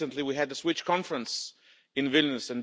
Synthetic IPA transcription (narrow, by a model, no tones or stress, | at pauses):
ɨ̃ntliwiɨd̪̚ɨswɪt͡ʃkʰɑ̃ɱfɹə̃ns | ɨ̃nvɪlˠnɨsɨ̃n